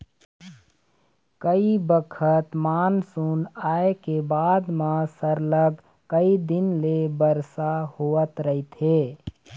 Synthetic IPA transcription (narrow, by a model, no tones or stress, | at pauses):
kəibəkʰət̪maːnsunaːekebaːd̪mãsəɾləɡ | kəid̪ɪnlebəɾsahoət̪ɾəɦit̪ɦeː